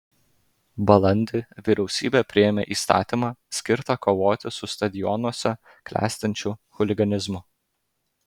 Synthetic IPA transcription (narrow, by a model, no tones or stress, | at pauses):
bɐlˠɐnʲd̪ʲɪʋʲiɾʲɛʊsʲiːbʲeːpʲɾʲɪɛmʲḛʔiːst̪ɑ̰ːt̪ʲimɑːsʲkʲɪɾt̪ɐkoːʋoːt̪ʲɪsʊst̪ɐd̪ʲɪjɔnuɔsʲɛ | klʲæ̰ːsʲt̪ʲɐnʲt͡ʃʲʊxʊlʲɪɡɐnʲɪzmʊ